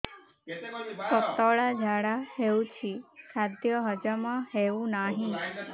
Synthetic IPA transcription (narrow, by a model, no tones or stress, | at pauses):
pəkt̪ɔɭad͡ʒʱaɽaɦeũt͡ʃʰisad̪ʱjəɦəd͡ʒamãɦeʋũnaɦĩ